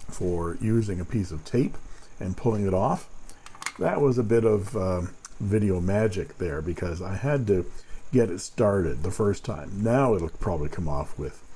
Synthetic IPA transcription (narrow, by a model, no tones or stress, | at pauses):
fə˞jʉzɪ̃ŋɨpʰisʌv̥tʰeɪpʔɨ̃npʰʊlˠɪ̃ŋɨɾɔf | ðɨʔwʔʌzəbɪɾʌvʌvɪɾioʊmæd͡ʒɨk̚ðə˞bɨkʰʌzaɪɨd̚tɨɡ̥ɛɾɨtstɑɹɾɨd̪̚ðəfɜ˞stʰã̰ɪ̃mnaʊɪɾl̩ˠpʰɹ̥ɑbəblikʰʌ̃mɔfwɪð̥